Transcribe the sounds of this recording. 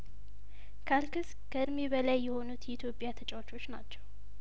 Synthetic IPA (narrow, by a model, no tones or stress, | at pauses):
kʰalkʰɨs | kʰəɨɾmeβəlajːɛho̞nut̪ʰjit̪ʰjo̞pʼjat̪ʰət͡ʃʼawt͡ʃʰo̞t͡ʃːna̰t͡ʃːɛw